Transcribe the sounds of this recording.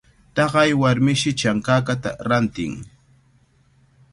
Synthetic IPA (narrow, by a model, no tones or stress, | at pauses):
t̪ɑɢɑjwaɾmɪʃɪt͡ʃaŋkaːkat̪a̰ɾant̪ɪŋ